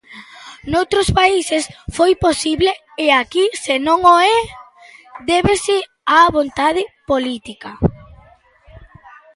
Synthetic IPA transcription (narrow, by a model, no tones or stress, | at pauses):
nowt̪ɾʊspaisesfojposiβleː | akisenõŋoɛ | d̪ɛβesɪ | aβont̪að̞ɪpolit̪ikɐ